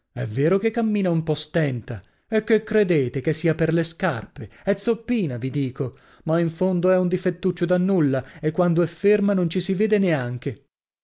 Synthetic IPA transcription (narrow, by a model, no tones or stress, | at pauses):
ɛ̰vːeːɾokekːamːiːnaumpɔst̪ɛnt̪a | ekːekːɾed̪eːt̪ek̟esːiːaperleska̰rpeɛt̪sːopːiːnavid̪iːko | maiɱfond̪oɛund̪ifet̪ːut͡ʃːod̪anːulːaekːwand̪oɛfːermanont͡ʃisiveːd̪eneaŋk̟e